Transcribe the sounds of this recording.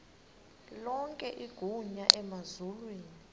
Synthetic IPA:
lɔŋkʼɛʔiɡ̥ʱuɲaʔɛmazulwiːni

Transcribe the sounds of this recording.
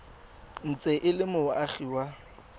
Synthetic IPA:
n̩t͡sʼɛʔɪlɪmʊʔaχiwa

